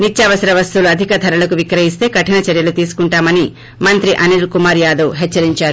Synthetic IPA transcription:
nit͡ʃːjaːʋɐsɐɾɐʋɐst̪uluɐd̪ʱikɐd̪ʱɐɾɐlɐkuʋikɾɐɦist̪e̞ːkɐʈinɐt͡ʃɐɾjɐlut̪iːsu̥kuɳʈaːmɐni | mɐnt̪ɾiʔɐniɾkumaːɾjaːd̪ɐwɦɛt͡ʃːɐɾiɲt͡ʃaːɾu

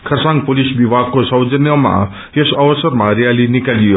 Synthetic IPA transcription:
kʰʌrsãŋ̚polisbibʱaɡ̚kosʌwd͡zʌnjʌma̰ | esʌbʌsʌɾmaɾijalinikalijo

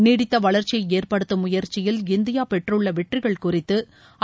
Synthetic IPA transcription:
niːɽɪt̪ːɐʋɐɭɐɾt͡ʃijɐɪeːrpɐɽɯt̪ːɯmʊjɐɾt͡ʃɪjɪlɪnd̪ɪjaːpɛʈrɯɭːɐʋɛʈrɪɣɐɭkʊrɪt̪ːɯ

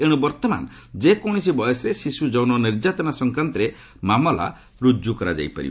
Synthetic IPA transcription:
eɽ̃ɔbɔɾt̪ɔma̰n | d͡ʒekɔ̃isibɔjɔsɔɾesisud͡ʒɔwnɔniɾd͡ʒat̪ɔnasɔŋkɾant̪ɔɾe | mamɔla̰ | ɾud͡ʒukɔɾad͡ʒa̰jpa̰ɾḭb

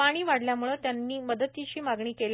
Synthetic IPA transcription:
aɽ̃iːʋaɽljamuɭət̪janːiːməd̪ət̪ːit͡ɕiːmaɡɳiːkel

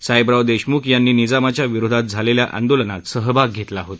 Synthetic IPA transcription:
sajbɾawd̪eɕmuːkjanːiːnid͡zamat͡ɕjaʋiɾod̪ʱat̪̚d͡zʱaleljaʔa̰nd̪olənat̪səɦbak̚ɡʱet̪laɦot̪

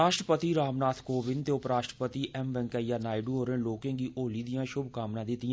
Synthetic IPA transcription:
aːʃʈɾəpət̪iːɾaːmnaːt̪ʰkoːʋɪnt̪eːʊpɾaːʃʈɾəpət̪iːʔɛmʋɛ̃ŋkaːijaːnaːiɖuɦoːɾẽːloːkẽːɡiːʔoːliːd̪ijãːʃʊbkaːmnãːd̪ɪt̪ːɪjã

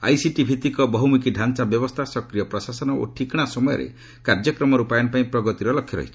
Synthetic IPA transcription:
a̰jsiʈibʱit̪ikɔbʱɔɦwmikiɖʱansabjɔbɔst̪ʰasɔkɾijɔpɾɔsasɔnɔo̰ʈʰikɽ̃asɔmɔjɔ̰ɾḛ | kaɾd͡ʒɔkɾɔmɔɾupajɔnpaĩpɾɔɡɔt̪iɾɔlɔkʰːjɔɾɔ̰ɦit͡ʃʰi̥

